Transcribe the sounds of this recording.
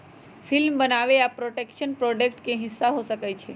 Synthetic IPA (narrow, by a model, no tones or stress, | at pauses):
fʰilmbənaʋeapɾoʈekʃənpɾoɖekʈkẽɦɪsːaɦosəkajt͡ʃʰe